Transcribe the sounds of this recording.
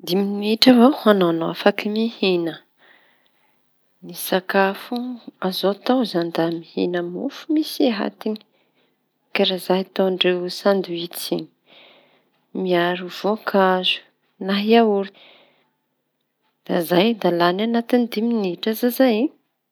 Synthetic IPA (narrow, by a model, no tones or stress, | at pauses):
d̪iminiʈ͡ʂavohanowanowafakimihinə | nisakafuazot̪awzand̪amihḭnəmṵfumiseɦa̰t̪ini̥ | kaɾazaɦt̪oaɳɖ͡ʐewsand̪uit͡sini̥ | miaɾuv̥okʰazu̥ | naɦiauɾi̥ | d̪̥a̰zajd̪alananat̪ind̪iminiʈ͡ʂazazaj